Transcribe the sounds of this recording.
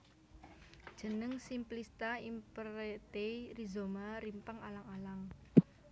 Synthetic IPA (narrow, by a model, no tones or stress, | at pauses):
d̥ʒ̥ə̤nəŋsimplist̪aimpəɾet̪eirizomaɾimpaŋalaŋalaŋ